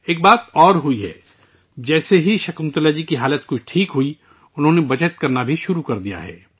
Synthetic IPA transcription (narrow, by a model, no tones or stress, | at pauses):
eːk̚baːt̪ɔːɾɦʊiɦɛː | d͡ʒɛːseɦiʃɐkə̃nt̪əlaːd͡ʒikiɦaːlət̪kʊt͡ʃʰʈʰiːkɦui | ʊnɦõːnebɐt͡ʃət̪̚kɐɾnabʱiʃʊɾukɐɾd̪ija̰ɦɛ̰ː